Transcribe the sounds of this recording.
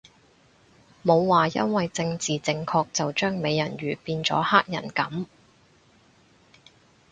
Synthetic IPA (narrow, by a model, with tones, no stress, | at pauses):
mo˨˧wːaː˨jɐ̰˥nwɐ˨jt͡sɪ˧ŋt͡siː˨t͡sɪ˧ŋkʰɔː˧k̚t͡sɐ˨wt͡ʃœː˥ŋme˨˧jːɐ˨˩nɥyː˨˩piː˧nt͡sɔ̰ː˨˥haː˥k̚jɐ̰˨˩nkɐ˨˥m